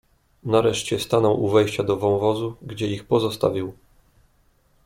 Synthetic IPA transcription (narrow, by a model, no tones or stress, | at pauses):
naɾɛʂt͡ɕɛst̪anɔwʔuvɛjɕt͡ɕad̪ɔvɔ̃w̃vɔzuɡd͡ʑɛixpɔzɔst̪a̰vʲiw